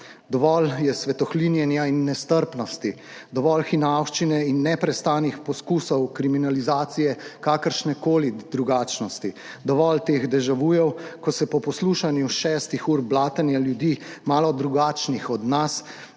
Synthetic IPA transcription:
d̪ɔʋɔljɛsʋɛt̪ɔxlinjɛnjainːɛst̪əɾpnɔst̪i | d̪ɔʋɔlxinawʃt͡ʃinɛinːɛpɾɛst̪aːnixpɔskuːsɔwkɾiminalizaːt̪sijɛkaːkəɾʃnɛkoːlid̪̥ɾuɡaːt͡ʃnɔst̪i | d̪ɔʋɔlt̪eːɣd̪ɛʒaʋuːjɛwkɔsɛpɔpɔsluːʃanjuʃɛst̪ixuːɾblaːt̪ənjaljud̪iːmaːlɔd̪ɾuɡaːt͡ʃnixɔd̪nas

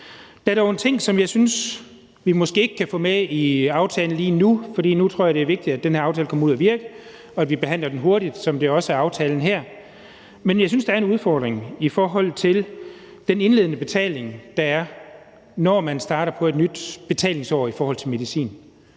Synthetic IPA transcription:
d̥æɐɾ̥ɒʊe̝nt͡sʰe̝ŋ̰sɒ̽mjɑ̈ɪsyns | ʋimɒ̽sɡ̥e̝̰ːe̝ɡ̥ə̥kʰæfɔ̽meiɑ̈ʊt͡sʰɛːln̩liːnufɒɾ̥ḭːnut͡sʰʁo̝ɐ̰jɑ̈ɾ̥eæɐʋe̝ɡ̥̚d̥id̥æd̥enɦhæɐʊt͡sʰɛːləkʰɒ̽mɐuðˠæʋiɐɡ̥ə | ɒ̽ædʋib̥eɦæn̰lɐd̥en̩ɦo̝ɐɾid̥sɒ̽md̥e̝ɒ̽səæɐɑ̈ʊt͡sʰɛːln̩ɦæɐ̰ | menjɑ̈ɪsynsd̥ɑæɐe̝nuð̞ˠfɒːd̥ʁeŋifɒːɦɒ̽l̰t͡sʰe̝l | d̥ene̝nle̝ðˠnəb̥e̝t͡sʰɛ̰ːle̝ŋd̥ɑ̈æɐ | nɒmænsd̥ɑ̈ːɾɐpʰɒ̽e̝d̥nyd̥b̥e̝t͡sʰɛ̰ːle̝ŋsɒ̰ːifɒːhɒ̽l̰t͡sʰe̝me̝ð̞ˠisḭːn

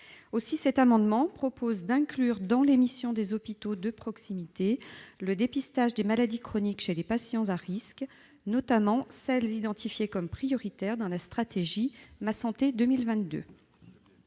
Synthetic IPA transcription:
osisɛt̪amɑ̃d̪mɑ̃pχɔpozd̪ɛ̃klyʁd̪ɑ̃lemisjɔ̃d̪ezɔpit̪od̪əpχɔksimit̪eləd̪epist̪aʒd̪emalad̪ikχɔnikʃelepasjɑ̃zaʁisk | nɔt̪amɑ̃sɛlzid̪ɑ̃t̪ʰifjekɔmpχijɔʁit̪ɛʁd̪ɑ̃last̪χat̪eʒimasɑ̃t̪ed̪ømilvɛ̃t̪̚d̪ø̰

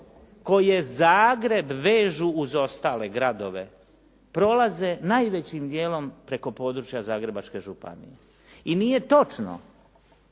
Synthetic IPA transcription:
ko̞je̞zaːɡɾe̞bʋe̞ːʒuːzo̞st̪aːle̞ɡɾad̪o̞ʋe̞ | pɾo̞laze̞naːjʋe̞t͡ɕimd̪je̞ːlo̞mpɾe̞ko̞po̞ːd̪ɾut͡ʃjazaːɡɾe̞bat͡ʃke̞ʒupa̰nḭje | inije̞t̪o̞t͡ʃno̰

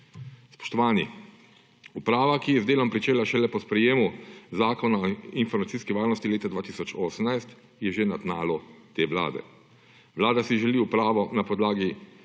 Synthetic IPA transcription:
spɔ̥ʃt̪ɔʋaːnḭ | upɾaːʋakijɛzd̪eːlɔmpɾit͡ʃeːlaʃɛlɛpɔspɾɛjeːmuzaːkɔnainfɔɾmat̪siːskɛʋaːɾnɔst̪ileːt̪ad̪ʋaːt̪iːsɔt͡ʃoːsəmnajst̪ | jɛʒenad̪naːlɔt̪eːʋla̰ːd̪ɛ̰ | ʋlaːd̪asiʒɛliupɾaːʋɔnapɔd̪laːɡi

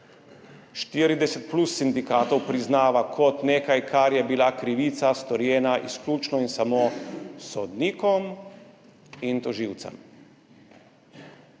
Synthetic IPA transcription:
ʃt̪iɾid̪ɛsɛt̪̚plusːind̪ikaːt̪ɔwpɾiznaːʋakʰɔt̪neːkajkʰaɾjɛbilakɾiʋit̪sast̪ɔɾjɛːnaʔisklʲuːt͡ʃnɔinsamoːsɔd̪niːkɔm | int̪ɔʒiwt̪sɛ̰m

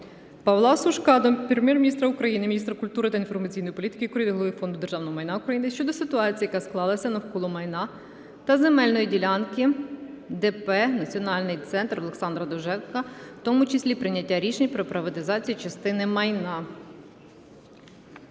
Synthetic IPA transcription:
pɐʋlˠɑsʊʃkɑd̪ɔpɾemʲjɛrmʲinʲist̪ɾɐʊkɾɐjinɪmʲinʲist̪ɾɐkʊlʲt̪uɾɪt̪ɐinfɔrmɐt͡sʲijnɔjipɔlʲit̪ɪ̥kɪikɔɾʲid̪ɪɦlˠɔʋɪfɔnd̪ʊd̪erʒɑwnɔɦɔmɐjnɑʊkɾɐjinɪʃt͡ʃɔd̪ɔsɪt̪ʊɑt͡sʲijɐkasklˠɑlˠɐsʲɐnɐwkɔlˠɔmɐjnɑ | t̪ɐzemɛlʲnɔjidʲilʲɑnkɪ | d̪ɛpɛnɐt͡sʲiɔnɑlʲnɪjt̪sɛnt̪rɔlˠe̞ksɑnd̪ɾɐd̪ɔʒɛwkɐt̪ɔmut͡ʃɪsʲlʲipɾɪnʲːɐtʲːaɾʲiʃenʲpɾɔpɾɐʋɐt̪ɪzɑt͡sʲijit͡ʃɐst̪ɪnɪmɐjnɑ

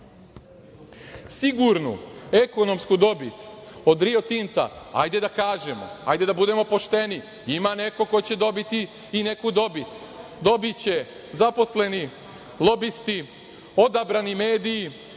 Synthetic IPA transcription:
siɡuɾnṵe̞ko̞no̞mskud̪o̞bit̪od̪ɾio̞t̪int̪a̰a̰jd̪e̞d̪akaːʒe̞mo̞̰a̰jd̪e̞d̪abud̪e̞mo̞po̞ʃt̪e̞ni | imane̞ko̞ko̞jit͡ɕe̞d̪o̞bit̪iː | ne̞kud̪o̞bit̪ | d̪o̞bit͡ɕe̞ | zapo̞sle̞ni | lˠo̞bist̪i | o̞d̪abɾanime̞ːd̪iji

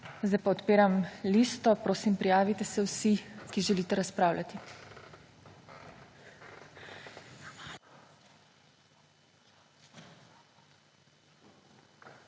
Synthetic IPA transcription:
zd̪ajpaɔt̪peːɾamliːst̪ɔpɾoːsimpɾijaːʋit̪ɛsɛwsikiʒɛliːt̪ɛɾaspɾaːwlʲat̪i

